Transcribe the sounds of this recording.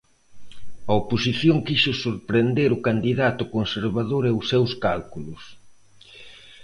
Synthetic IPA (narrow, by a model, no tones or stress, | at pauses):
ɐoposiθjoŋkiʃʊsuɾpɾend̪eɾʊkand̪iðat̪ʊkonseɾβaðoɾɛʊsewskalkulʊs